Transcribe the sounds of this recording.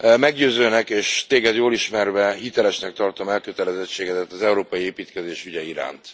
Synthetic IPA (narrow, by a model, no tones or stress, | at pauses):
mɛɡɟøːzøːnɛkeːʃt̪eːɡɛd̪joːliʃmɛrvɛɦit̪ɛlɛʃnɛk̚t̪ɒrt̪o̞mɛlkøt̪ɛlɛzɛt͡ʃːeːɡɛd̪ɛt̪ːɒzɛuɾoːpɒjieːpiːt̪kɛzeːʃyɟɛiɾa̰ːnt̪